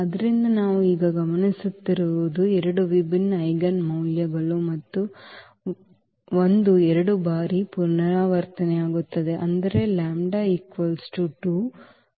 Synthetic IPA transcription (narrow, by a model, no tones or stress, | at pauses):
ɐd̪ɐɾind̪ɐnaːʋuiːɡɐɡɐmɐnisut̪ːiɾuʋud̪uɛɾɐɽuʋibinɐjɡɐnmɐwljɐɡɐɭumɐt̪ːu | ond̪uɛɾɐɽubaːɾipunɐɾaːʋɐɾt̪ɐneaːɡut̪ːɐd̪e̞ʔɐnd̪ɐɾe̞laːmɖaːiːkʋɐlsʈuʈuː